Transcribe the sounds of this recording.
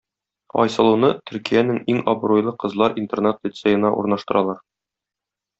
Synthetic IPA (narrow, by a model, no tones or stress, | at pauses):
ɒ̰jsɤ̆lˠunɤt̪ɵ̆ɾkijænɘŋiŋɒbɾojlˠɤqɤ̆zlˠɑɾʔint̪ernat̪lʲɪt̪sejɤ̆nɑʔṵɾnɑʃt̪ɤ̆ɾɑlˠɑɾ